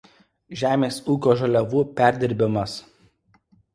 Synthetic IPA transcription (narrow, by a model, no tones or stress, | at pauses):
ʒʲæːmʲeːsuːkʲoːʒɐlʲɛʋuːpʲæˑɾʲd̪ʲɪɾʲbʲɪmɐs